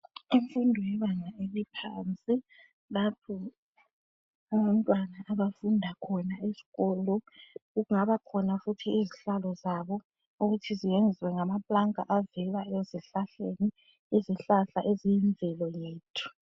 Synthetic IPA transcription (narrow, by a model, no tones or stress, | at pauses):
iɱfundʱɔjɛβaŋaelipʰaːnt͡sʼi | lapʰɔ | aβantʼwanaʔːβafundʱakʰɔnaesi̥ɣɔlɔuɣuŋaβakʰɔnafutʰiiziɬalɔzaβɔ | uɣutʰizijend͡zʱiwɛŋamapʼlaŋa̰ʔavɛlaɛeziɬaɬeni | iziɬaɬaʔezijiɱbvʱɛlɔjeːtʰu̥